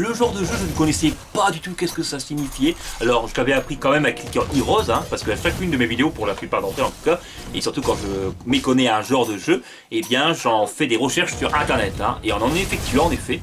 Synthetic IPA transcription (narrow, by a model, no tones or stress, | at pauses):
ləʒɑ̃ʁd̪əʒøʒənəkɔnɛsɛpad̪yt̪ukɛskəsasiɲifjɛalɔʁʒəlavɛapχikɑ̃mɛmaklikʲẽʔiʁɔzɛ̃paʁsə̥kəʃakynd̪əmevid̪eopuʁlaplypaʁd̪ɑ̃t̪χɛlɑ̃t̪u̥ka | ḛsyʁt̪ukɑ̃ʒəmekɔnɛɛ̃ʒɑ̃ʁd̪əʒø | ebjɛ̃ʒɑ̃fɛd̪eʁəʃɛʁʃsyʁɛ̃t̪ɛʁnɛt̪ɛ̰̃eɔ̃nɑ̃nɛfɛk̚t̪ɥĩɑ̃nefɛ